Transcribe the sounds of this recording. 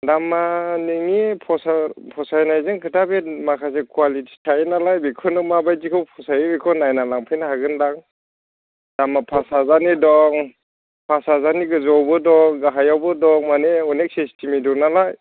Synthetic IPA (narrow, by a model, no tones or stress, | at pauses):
damaniŋipʰɔsapʰɔsajnajzɯŋkʰɯtabemakʰas̬ekualitʰi̥tʰajnalajbikʰɔnɯmabajtikʰɔwpʰɔsajɯbikʰɔnajnalaŋpʰɯjnahaɡɯndaŋ | damapʰasazanidɔŋ | pʰasazaniɡɯzɔwbɯdɔŋɡaɦajawbɯdɔŋmaneɔnek̚sestʰimidɔnalaj